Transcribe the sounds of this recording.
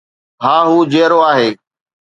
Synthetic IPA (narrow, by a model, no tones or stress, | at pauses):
ɦãːɦuːd͡ʑeːɾoːaːɦeː